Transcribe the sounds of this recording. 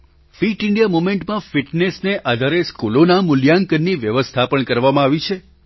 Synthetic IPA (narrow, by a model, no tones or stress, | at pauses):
fiʈɪɳɖijamumẽɳʈmãfiʈnesneʔad̪ʱaɾeskulonamʊljaŋkənːiʋjəʋəst̪ʰapəɳkəɾʋamãaʋit͡ʃʰe